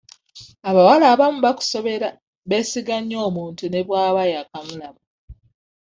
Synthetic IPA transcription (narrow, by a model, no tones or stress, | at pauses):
aβawalaːβamuβaku̥so̞βe̞ɾa | βe̞ːsiɡaɲːo̞ːmuːntune̞βwaːβajakamulamu